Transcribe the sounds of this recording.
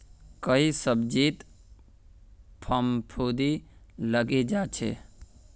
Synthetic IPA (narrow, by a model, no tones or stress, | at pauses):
kəisəbd͡ʒit̪ | pʰəmpʰud̪i | ləɡed͡ʒat͡ʃʰḛ